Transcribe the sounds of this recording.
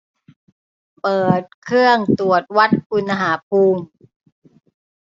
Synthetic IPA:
pɤː˨˩t̪̚kʰɾɯ˥˩əŋt̪u˨˩ət̪̚wa˦˥t̪̚ku˧na˧ɦaː˩˦p̚ʰuː˧ŋ

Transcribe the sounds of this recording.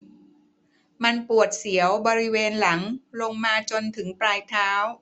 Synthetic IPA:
ma˧npu˨˩ət̪̚si˩˦əwbɔː˧ɾi˦˥weː˧nla˩˦ŋlo˧ŋmaː˧t͡ɕo˧nt̪ʰɯ˩˦ŋpɾaː˧jt̪ʰaː˦˥w

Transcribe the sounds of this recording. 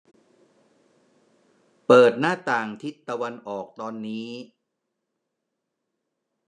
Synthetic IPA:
pɤː˨˩t̪̚naː˥˩t̪aː˨˩ŋt̪ʰi˦˥t̪ːa˧wa˧nʔɔː˨˩k̚t̪ɔː˧nːiː˦˥

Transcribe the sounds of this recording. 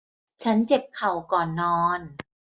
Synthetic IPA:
t͡ɕʰa˦˥nt͡ɕe˨˩p̚kʰa˨˩wkɔː˨˩nːɔː˧n

